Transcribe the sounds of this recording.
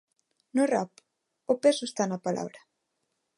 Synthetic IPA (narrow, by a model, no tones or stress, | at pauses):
nʊrap | ʊpesʊest̪anɐpalʔa̰βɾɐ